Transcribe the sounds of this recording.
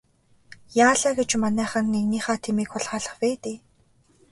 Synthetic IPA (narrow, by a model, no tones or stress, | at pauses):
jaːɮaːɡet͡ɕmanæːχə̆nːeɣniːχaːt̪ʰemiːkxʊɮχaːɮə̆χpæːt̪eː